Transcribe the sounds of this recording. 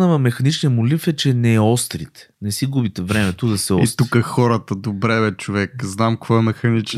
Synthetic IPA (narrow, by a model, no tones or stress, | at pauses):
nəvɐmɛxɐnit͡ʃnijəmolifɛt͡ʃɛnɛɛɔst̪ɾit̪ | nɛsiɡubit̪ɛvɾɛmɛt̪od̪ɐsɛɔ̰ist̪t̪ukəxɔɾət̪əd̪obɾɛvɛt͡ʃovɛkznamkvɔɛmɛxɐnit͡ʃ